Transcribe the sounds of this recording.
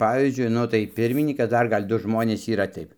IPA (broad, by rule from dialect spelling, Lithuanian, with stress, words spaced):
ˈpɑːʋʲiːzʲd͡ʒʲʊɪ ˈnʊ tɐɪ ˈpʲɪrʲmʲɪnʲiːkɐs ˈdɐr ˈɡɐlʲ ˈdʊ ˈʒmoːnʲeːs iːˈrɐ ˈtɐɪp